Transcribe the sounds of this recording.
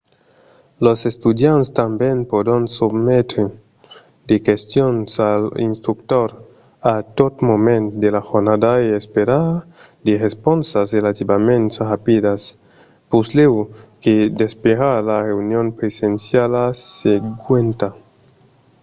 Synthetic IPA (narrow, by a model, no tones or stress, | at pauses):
losest̪ud̪janst̪ambjenpod̪onsubmet̪e | d̪ekest̪jonsalḭnst̪ɾukt̪oɾ | at̪ot̪momẽnt̪d̪elaxoɾnad̪aeespeɾaɾ | d̪eʁesponsasrelat̪ibamẽntrapidas | puslewked̪espeɣaɾlareunjonpɾesensjalaseɡwent̪a